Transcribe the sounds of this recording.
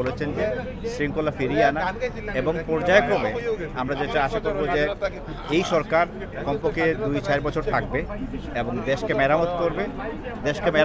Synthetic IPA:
olet͡ɕʰend͡ʑe | sɾiŋkolːafiɾianaeboŋpɔɾd͡ʑaekobeamɾad͡ʑeʈaaʃakoɾbod͡ʑe | ejʃɔɾkaɾ | kɔmpokid̪ujt͡ɕaeɾbɔt͡ɕʰoɾt̪ʰak̚beeboŋd̪eʃkemɛɾamot̪koɾbe | d̪eʃkemɛ

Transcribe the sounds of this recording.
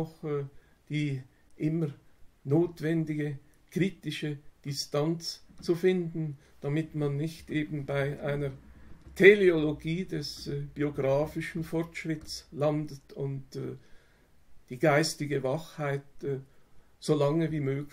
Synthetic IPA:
ɔχ | d̥iː | ʔɪmənoːtv̥ɛndɪɡəkʁ̥iːtɪʃəd̥ɪstant͡st͡sufɪndn̩d̥amɪtmanːɪçtʔeːbn̩baɪʔaɪnətʰɛlioloɡiːdɛsb̥ioɡʁaːfɪʃn̩fɔɾtʃʁ̥ɪtslandətʊntː | d̥iːɡaɪstɪɡəvaχhaɪt̚ː | z̥olaŋəviːmøːɡ

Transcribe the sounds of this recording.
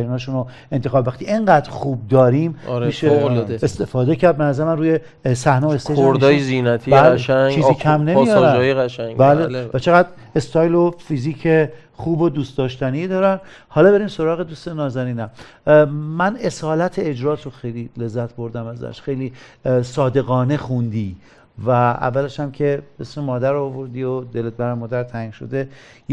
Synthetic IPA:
ɾiːnɒːʃuno | e̞nt̪ʰexɒːbvæχt̪ʰiʔeŋɢæːd̪ɾxuːb̚d̪ɒːɾiːmɾiʃeoolest̪efɒːd̪ecʰæɾd̪̚benæzæɾemænruːje | sæhnɛoest̪eoɾd̪ɒːjezinæt̪ʰibælʃæt͡ʃiːziːkʰæmnemijɒːɾæjɣæʃæŋbælelvæt͡ʃʰeɣæd̪ | e̞st̪ʰɒːjlofiziːcʰe | χuːbod̪uːst̪̚d̪ɒːʃt̪ænid̪ɒːɾænhɒːlɒːbe̞ɾiːmso̞ɾɒːɣed̪uːsenɒːzæɾiːnæm | mæne̞sɒːlæt̪ʰeed͡ʒɾɒːt̪ʰoxejlile̞zːæt̪̚ʰbo̞ɾd̪æmæzæ̰ʃxejliː | sɒːd̪e̞ɣɒːne̞xund̪iː | vææ̰vːæleʃæmcʰe̞besmemɒːd̪æɾːvoɾd̪iːod̪elet̪̚bæɾæmɒːd̪æɾt̪ʰæiŋʃo̰d̪e

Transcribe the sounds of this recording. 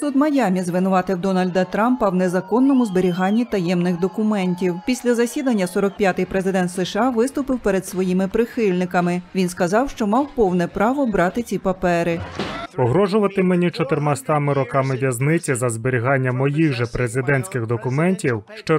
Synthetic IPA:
sud̪mɐjɑmʲizʋɪnʊʋɑt̪ɪwd̪ɔnɐlʲd̪ɐt̪ɾɑmpɐwnezɐkɔnːɔmʊzbeɾʲiɦɑnʲːit̪ɐjɛmnɪxd̪ɔkʊmɛnʲtʲiwpʲisʲlʲɐzɐsʲid̪ɐnʲːɐsɔɾɔk̚pʲjat̪ɪjpɾezɪd̪ɛnt̪sɛʃɑʋɪst̪ʊpɪwpɛɾed̪sʋɔjimɪpɾɪxɪlʲnɪkɐmɪʋʲinskɐzɑwʃt͡ʃɔmɑwpɔwnɛpɾɑʋɔbɾɑt̪ɪt͡sʲipɐpɛɾɪpɔɦɾɔʒʊʋɐt̪ɪmenʲit͡ʃɔt̪ɪrmɑst̪ɑmɪɾɔkɑmɪʋʲjɐznɪt͡sʲizɐzbeɾʲiɦɑnʲːɐmɔjiɣʒɛpɾezɪd̪ɛnʲsʲkɪɣd̪ɔkʊmɛnʲtʲiwʃt͡ʃɔ

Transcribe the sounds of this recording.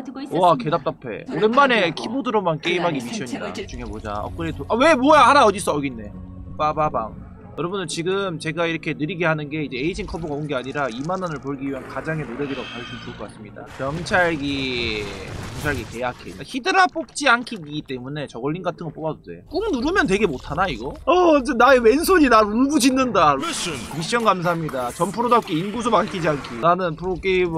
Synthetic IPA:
oake̞dap̚t͈apʰe̞̰oɾenmane̞kʰibodɯɾomank͈e̞imɦaɡimiɕʰʌɲiidat͡ɕuŋɦe̞mod͡ʑa̰ʌ̰kɯɾetoʔawe̞mojaaɾaʌdis͈ʌʌɡinːe̞ | p͈ababaŋ | jʌɾʌbundɯɭt͡ɕiɡɯmt͡ɕe̞ɡaiɾʌkʰe̞nɯɾiɡe̞hanɯnɡe̞id͡ʑe̞eid͡ʑiŋkʰʌboɡaonɡe̞aɲiɾaimanʌnɯɭpoɭɡiɥiɦankad͡ʑaŋɦe̞noɾeɡiɾaɡopaɭsʰumt͡ɕʰok͈ʌk͈as͈ɯmɲida̰kjʌŋt͡ɕʰaɭɡi | jʌŋt͡ɕʰaɭɡike̞jakʰeçidɯɾap͈ok̚t͡ɕ͈iankʰiɡiɡit͈e̞mune̞t͡ɕʌɡʌɭːinɡatʰɯŋɡʌɭp͈oɡad͡ʑodʰḛk͈umnuɾɯmjʌnt̬e̞ɡe̞motʰanaiɡʌʌd͡ʑenaemwe̞nsʰoɲinaɾuɭɡud͡ʑinːɯndaɾoiɕ͈ʌnɡams̬ʰaɦamɲidat͡ɕʌmpʰɯɾodap̚k͈iinɡusʰomankʰid͡ʑiankʰinanɯnpʰɯɾok͈eb

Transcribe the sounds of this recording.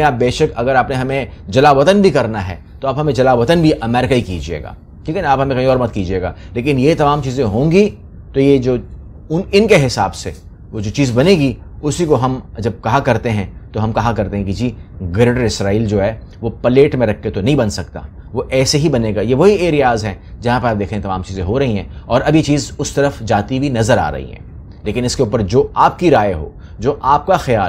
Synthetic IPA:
ẽaːp̚beːʃəkɐɡəɾaːpneɦɐmẽd͡ʒɐlaːʋɐt̪ənbʱikɐɾnaɦɛ̰ː | t̪oaːbɦɐmẽd͡ʒɐlaːʋɐt̪ənbʱiʔɐmɛːɾɪkaikid͡ʒiḛːɡa̰ː | ʈʰiːkɛñaːpɦɐmẽkɐɦĩɔːɾbɐt̪̚kiːd͡ʒieːɡa̰ːleːk̬ɪnjet̪ɐmaːmt͡ʃiːzẽɦõːŋɡi | t̪ojed͡ʒoː | ʊnɪnkeɦɪsa̰ːbse | ʋod͡ʒoːt͡ʃiːzbɐneɡi | ʊsikoɦɐmd͡ʒɐb̚kɐɦakɐɾt̪eɦɛ̃t̪oɦɐmkɐɦakɐɾt̪ẽɦɛ̃kid͡ʒiːɡɐɾɖəɾɪsɾaːiːld͡ʒoːɦɛː | ʋopɐleːʈmẽɾɐkʰːet̪onɐɦĩbɐnsɐkt̪a̰ː | ʋoʔɛːseɦibɐneːɡaːjeʋoɦieːɾijaːzɦɛ̃ | d͡ʒɐɦãpɐɾaːp̚d̪eːkʰɾẽɛ̃t̪ɐmãːmt͡ʃiːzẽɦoɾɐɦiɦɛ̃ɔːɾɐbjet͡ʃiːzʊst̪ɐɾəfd͡ʒaːt̪ibʱinɐzəɾa̰ːɾɐ̰ɦḭɦɛ̰̃ː | leːkɪnɪskeuːpəɾd͡ʒoːaːp̚kiɾaːeɦo̰ː | d͡ʒoːʔaːp̚kaxɪjaː

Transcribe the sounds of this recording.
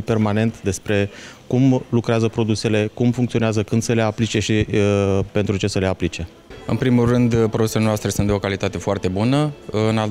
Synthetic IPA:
pe̞rmane̞nt̪d̪e̞spɾe̞kumlukɾeazəpɾo̞d̪use̞le̞kumfuŋkt̪sioneazəkɨnd̪səle̞aplit͡ʃe̞ʃi | pe̞nt̪ɾut͡ʃe̞səle̞aplit͡ʃe̞ | ɨ̰npɾimulrɨnd̪pɾod̪uselenoast̪ɾe̞sunt̪d̪eo̞kalit̪at̪e̞foart̪e̞bunəɨna

